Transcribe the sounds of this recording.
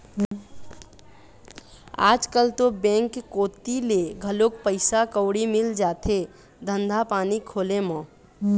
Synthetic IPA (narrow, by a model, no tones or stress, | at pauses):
a̰ːd͡ʒkəlt̪obɛ̃ŋkːoːt̪ileɡʱəlokpəɪsakəʊɽimɪld͡ʒaːt̪ʰe | d̪ʱənd̪ʱapaːnikʰoːlemə̃